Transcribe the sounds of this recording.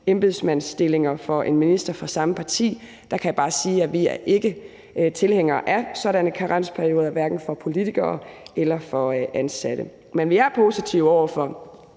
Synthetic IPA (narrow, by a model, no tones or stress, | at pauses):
emb̥e̝ð̰ˠsmæn̰sd̥e̝le̝ŋɐfɒ̽ʔe̝nminisd̥ɐfɑsɑ̈məpʰɑ̈t͡sʰḭː | d̥ɑ̈kʰæjab̥ɑ̈ːsiːæʋiæɐʔe̝ɡ̥ə | t͡sʰe̝lheŋ̰ɐʔæsɒ̽ɾænəkʰɑ̈ʁɑn̰spʰæɐjo̝ːðˠɐʋæɐɡ̥n̩fɒ̽pʰo̝lit͡sʰiɡ̥ɐːʔelɐfɒ̽ʔænsæd̥ə | menʋiæɐpʰo̝sit͡sʰiʊɒʊ̰ɐfɒ̽